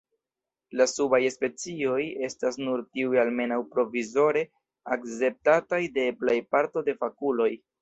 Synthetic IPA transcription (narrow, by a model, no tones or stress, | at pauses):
lasubajspe̞t͡sio̞je̞stasnuɾtiujalme̞nawpɾo̞vizo̞ɾe̞ | akt͡se̞p̚tatajde̞plajpaɾto̞de̞fakulo̞j